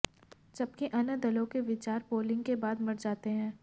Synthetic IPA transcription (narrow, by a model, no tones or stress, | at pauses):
d͡ʒɐb̚keʔɐnəd̪ɐlõkeʋɪt͡ʃaːɾpoːlɪ̃ŋɡkebaːd̪mɐɽd͡ʒaːt̪eɦɛ̃ː